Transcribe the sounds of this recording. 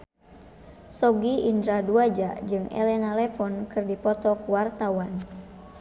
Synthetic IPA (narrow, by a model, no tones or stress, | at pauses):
sɔɡiindɾaduad͡ʒad͡ʒɨŋɛ̰lɛnalɛfɔnkɨrdipɔt̪ɔkwart̪awan